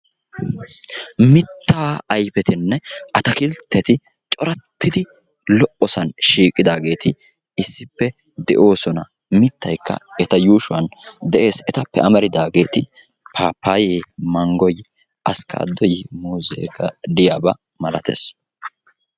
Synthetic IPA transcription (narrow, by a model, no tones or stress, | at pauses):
mɪt̪ːaːɐjpɛt̪ɪnːɛʔɐt̪ɐkɪlt̪ʰːɛt̪ɪ | t͡ʃʼɔɾɐt̪ːɪd̪ɪ | lɔʔɔsɐnʃiːkʼɪd̪aːɡe̞ːt̪ɪ | ɪsːɪpːɛ | d̪ɛʔo̞ːsɔnɐ | mɪt̪ːɐjkːɐ̰ɛt̪ɐjuːʃʊwɐnd̪ɛʔe̞ːsɛt̪ɐpːɛʔɐmɐɾɪd̪aːɡe̞ːt̪ɪ | pʰaːpʰːaːjeːmɐŋɡɔj | ʔɐska̰ːd̪ɔjmuːzḛːɡɐd̪ɪjaːbɐ | mɐlɐt̪ʰḛːs